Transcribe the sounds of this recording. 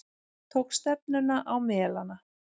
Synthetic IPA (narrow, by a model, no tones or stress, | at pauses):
t̪ʰoːwkst̪ɛp̚nʏnaʔawmɛːlana